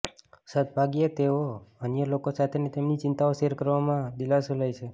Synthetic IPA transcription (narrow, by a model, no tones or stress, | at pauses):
sət̪̚bʱaɡjet̪eoənjəlokosat̪ʰenet̪emnit͡ʃɪnt̪aoseɾkəɾʋamãd̪ilasuləjt͡ʃʰe